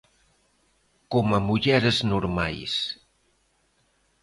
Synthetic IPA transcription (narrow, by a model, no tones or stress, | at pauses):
kɔməmuʎɛɾəznuɾma̰js